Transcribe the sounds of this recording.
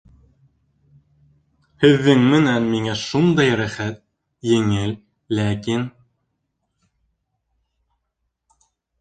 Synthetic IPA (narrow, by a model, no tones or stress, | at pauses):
hɘ̆ðːɘŋmɘ̆nænmiŋæʃund̪ɑjɾæχæt̪̚ | jɘ̆ŋɘl | lækin